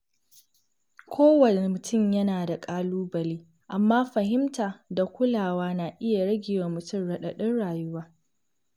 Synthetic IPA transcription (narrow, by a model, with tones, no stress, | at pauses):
kʷʰoː˦wɐ˨ne˨e˨mʊ˨tʊ˦˨mjɐ˦naː˨da˨kʼaː˦luː˦bɐ˨liː˦ | ʔa˨mːaː˦ɸɐ˨ɦɪ˦mtaː˨da˨kʷʊ˦laː˨waː˦na˨ʔɪ˦ja˨ɽɐ˦ɡʲɪ˨waː˨mʊ˨tʊ˦˨mɽɐ˨ɗɐ˨ɗɪ˦nɽaː˨jʊ˦waː˦